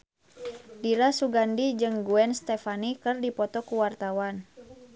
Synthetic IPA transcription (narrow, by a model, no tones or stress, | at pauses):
diɾasuɡandid͡ʒɨŋɡuɛnst̪ɛfanikɨrdipɔt̪ɔkuwart̪awan